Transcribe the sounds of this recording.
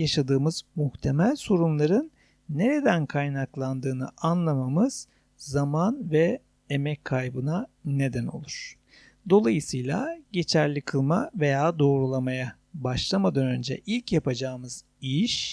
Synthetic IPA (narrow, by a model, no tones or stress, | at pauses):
jaʃad̪ɯːmɯz̥muht̪ʰe̞mælʲso̞ɾumlˠaɾɯnː | e̞ɾe̞d̪ænkʰajnaklˠand̪ɯːnɯ̰ʔanlˠamamɯz̥ | zamanvɛ | emɛckʰːajbɯnane̞d̪æno̞̰lˠuɾ̥ | d̪o̞lˠajɯsɯjlˠa̰ɟe̞t͡ʃʰæɾlʲikʰɯlˠmave̞jaːd̪o̞ːɾulˠamaja | baʃlˠamad̪anø̞nd͡ʒɛ̰ʔilʲcjapʰad͡ʒaːɯmɯz | iʃ